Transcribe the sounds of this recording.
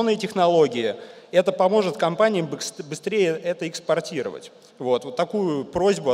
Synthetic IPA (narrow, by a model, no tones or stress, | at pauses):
nɨjətʲɪxnɐlˠo̞ɡʲɪjɪɛt̪əpɐmo̞ʐɨt̪kɐmpanʲɪjəmbsbɨst̪ɾʲejəʔɛt̪əɪkspɐrtʲiɾə̰və̰tʲ | vo̞t̪ot̪ːɐkujʊpɾozʲbʊ